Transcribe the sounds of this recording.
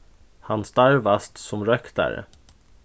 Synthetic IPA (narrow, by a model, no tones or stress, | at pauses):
hanst̪aɾvast̪sɔmɾœkd̪æ̰ɾ